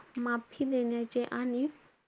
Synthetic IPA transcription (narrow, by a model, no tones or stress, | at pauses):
mãpʰilenat͡ʃeʔani